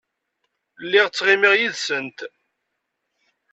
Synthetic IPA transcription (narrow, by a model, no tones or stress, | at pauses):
lːiʁt͡sːʁimiʁjiðsənt̪